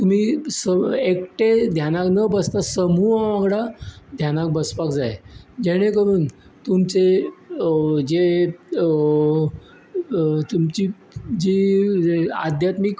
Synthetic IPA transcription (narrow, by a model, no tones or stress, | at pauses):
t̪um̤iːsəekʈed̪ʱjanaknəbəst̪asəmuaʋaɡɽad̪ʱjanak̚bəspakd͡zajed͡ʑeɽ̃ekəɾuːn | t̪umt͡se | d͡ʑe | t̪umt͡ɕiː | d͡ʑi | a̰d̪ʱjat̪mik